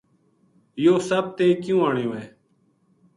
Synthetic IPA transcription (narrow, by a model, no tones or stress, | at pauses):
joːsəb̚t̪eːkjũːaːɳjũːɛː